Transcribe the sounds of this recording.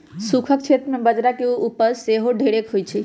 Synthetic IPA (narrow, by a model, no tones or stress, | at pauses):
sukʰək̚t͡ʃʰet̪ɾəmebəd͡ʒɾakeuupəɾseɦoɖʱeɽekɦojt͡ʃʰi